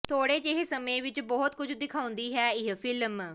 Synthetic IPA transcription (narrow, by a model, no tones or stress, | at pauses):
t̪ʰoːɽeːd͡ʒeɦesəmẽːʋɪt͡ʃbɔːt̪kʊd͡ʒd̪ɪkʰãːʊ̃nd̪iːɦɛːɪɦpʰɪlm